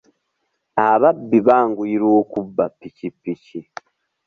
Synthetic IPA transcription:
aβabːiβaːŋɡuiɾoːkubːapːicipːici

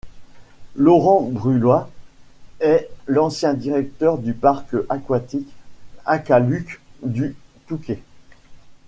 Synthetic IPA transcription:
lɔʁɑ̃bʁylwa | ɛlɑ̃sjɛ̃d̪iʁɛk̚t̪œʁd̪ypaʁkʔakwat̪ikakalykd̪yt̪ukʲe

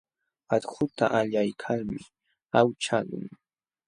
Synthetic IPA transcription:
at̪xʊt̪a̰ʔaʎajkʰalmɪ | awt͡ʃalʊ̰ŋ

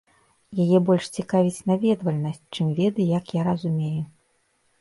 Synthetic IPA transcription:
jajɛbɔlʲʂt͡sʲikavʲit͡sʲnavʲɛd̪vɐlʲnɐsʲt͡sʲt͡ʂɨmvʲɛd̪ɨjakjaɾɐzumʲeju

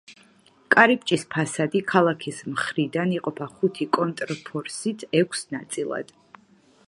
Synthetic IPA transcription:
kʼaɾip̚ʼt͡ʃʼispʰasad̪ikʰalˠakʰismχɾid̪aniqʼɔpʰaχut̪ʰikʼɔnt̪ʼɾpʰɔɾsit̪ʰɛkʷʰsnat̪sʼilˠa̰d̪̥

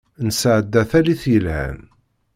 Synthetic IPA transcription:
nsəʕəd̪ːæθæliθjəlhæ̰n

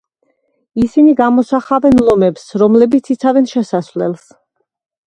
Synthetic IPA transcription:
isiniɡamɔsaχavɛnlˠɔmɛpsɾɔmlɛbit̪sʰit̪sʰavɛnʃɛsasvlɛ̰lˠs

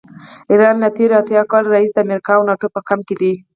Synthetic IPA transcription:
iɾɑnlat̪eɾat̪jɑkɑlɾaisd̪əamɾikɑawnɑʈopəkamked̪i

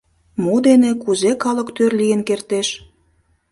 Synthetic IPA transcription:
mud̪enekuzekɑlə̆kt̪ørlijənkert̪eʃ

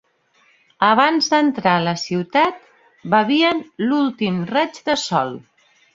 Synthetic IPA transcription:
əβ̞anzðənt̪ɾaələsiwt̪at̪̚ | bəβiənlulˠt̪imrɛd͡ʒd̪əsɔlˠ

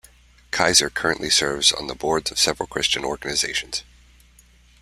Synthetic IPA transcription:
kʰaɪzə˞kʰɜ˞ɨ̃nʔlisɜ˞vzn̩ðəbɔɹdzʌv̥sɛvɹl̩ˠkʰɹ̥ɪst͡ʃɨ̃nɔ̰ɹɡɨnɨzeɪʃɨ̃n̩z̥

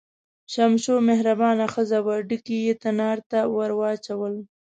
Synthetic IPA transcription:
ʃamʃomeɦɾabɑnaxəzawaɖikijet̪anɑɾt̪awaɾwɑt͡ʃawəl

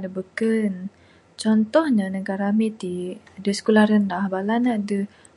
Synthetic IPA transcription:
dəbəkən | t͡ʃɔnt̪ɔhɲənəɡaɾamit̪iadəsə̥kulaɾəndahbalanadə

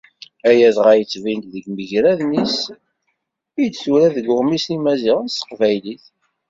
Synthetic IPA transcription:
æjæðʁæjət͡sːvint̪ðəɡməʝɾæðnis | ijd̪θuɾæðəɡʊʁmisimæziʁənst̪ə̥qvæjliθ

